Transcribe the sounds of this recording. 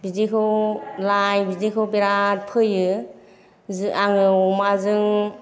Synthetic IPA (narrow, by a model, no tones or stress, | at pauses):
bizikʰɯwlajbizikʰɯbiɾat̚pʰɯjɯ | zɯʔaŋɯɔmazɯŋ